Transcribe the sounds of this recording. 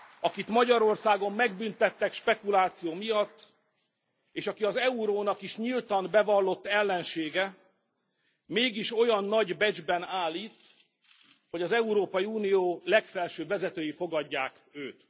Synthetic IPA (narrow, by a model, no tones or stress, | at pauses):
ɒkit̪mɒɟɒɾo̞rsaːɡo̞mːɛɡ̚bynt̪ɛt̪ːɛkʃpɛkulaːt̪sijoːmijɒt̪ː | eːʃɒkiɒzɛuɾoːnɒkiʃɲilt̪ɒnbɛvɒlːo̞t̪ːɛlːɛnʃeːɡɛ | meːɡiʃo̞jɒnːɒɟbɛd͡ʒbɛnaːlːiːt̪ | ho̞ɟɒzɛuɾoːpɒjiuːnijoːlɛkfɛlʃøːvɛzɛt̪øːjifo̞ɡɒɟːaːk | øːt̪